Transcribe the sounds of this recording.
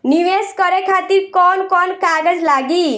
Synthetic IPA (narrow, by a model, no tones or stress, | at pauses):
niʋeskəɾɛkʰat̪iːɾkɔnkɔnkaɡəd͡zlaɡi